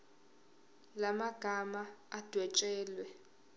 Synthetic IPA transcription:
lamaɡ̥ʱamaad̥ʱwɛt͡ʃʼɛːlwɛ

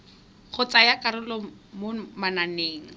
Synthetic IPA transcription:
χʊt͡sʼajakʼaɾʊlɔmomananeːŋ̩

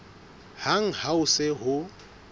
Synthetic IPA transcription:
haŋ̩haʊsɪɦʊ

